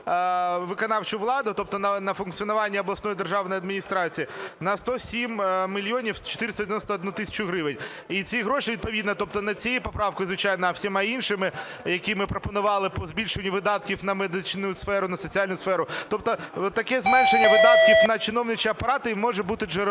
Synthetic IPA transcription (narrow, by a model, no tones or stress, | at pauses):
ʋɪkɔnɑwt͡ʃʊʋlˠɑd̪ʊt̪ɔp̚t̪ɔnɐnɐfʊnkt͡sʲiɔnʊʋɑnʲːiɔblˠɐsnɔjd̪erʒɑwnɔjɐd̪mʲinʲist̪ɾɑt͡sʲijinɐst̪ɔsʲimmʲilʲijɔnʲiwt͡ʃɔ̥t̪ɪɾɪst̪d̪ʲjʲeʋʲjnɔst̪ɐɔd̪nut̪ɪsʲɐ̥t͡ʃʊɦɾɪʋɪnʲ | it͡sʲiɦɾɔʃiʋʲid̪̚pɔʋʲid̪nɐt̪ɔp̚t̪ɔnɐt͡sʲijipɔpɾɑwkɔjzʋɪt͡ʃɑjnɐːwsʲimainʃɪmɪ | jɐkʲimɪpɾɔpɔnʊʋɑlˠɪpɔzbʲilʲʃʊnʲːiʋɪd̪ɑt̪kʲiwnɐmed̪ɪt͡ʃnʊjsfɛɾʊnɐsɔt͡sʲialʲnʊsfɛɾʊt̪ɔp̚t̪ɔt̪ɐkɛzmɛnʃenʲːɐʋɪd̪ɑt̪̚kʲiwnɐt͡ʃɪnɔwnɪt͡ʃiɐpɐɾɑt̪ɪmɔʒɛbut̪ɪʒɛ